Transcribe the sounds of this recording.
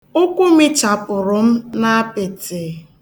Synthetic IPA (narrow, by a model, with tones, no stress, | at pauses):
ʊ˦kʷʊ˦mɪ˦t͡ʃa˨pʊ˨ɾʊ˨m̩˦na˦a˦pɪ˨tɪ˨